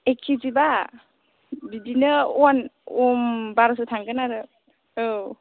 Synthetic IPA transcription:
eksʰiziba | bidinɯɔnɔmbaɾsutʰaŋɡɯnaɾɯ | o

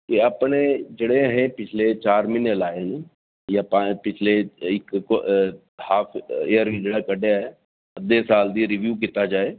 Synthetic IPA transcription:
kɪaːpneːd͡ʒeːɽeːɦẽːpɪt͡ʃʰleːt͡ʃaːɾmɪnelaːeːneː | jãːpãpɪt͡ʃʰleːɪkː | haːpʰeːəɾid͡ʒeːɽaːkəɖejaːɦɛː | əd̪eːsaːld̪iːɾiʋjuːk̬it̪aːd͡ʒaːeː

